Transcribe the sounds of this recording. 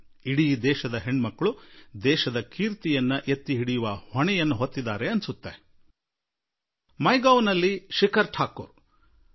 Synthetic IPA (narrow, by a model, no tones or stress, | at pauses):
iɽiːd̪ɛːʃɐd̪ɐɦeɳmɐkːɐɭud̪ɛːʃɐd̪ɐkʰiːɾt̪ijɐnːɐʔet̪ːiɦiɽijuʋɐhɔɳɛjɐnːuɦot̪ːid̪ːaːɾe̞ɐnsut̪ːe | mɐjɡɐwnɐlːiʃikɐɾʈʰaːkṵːɾ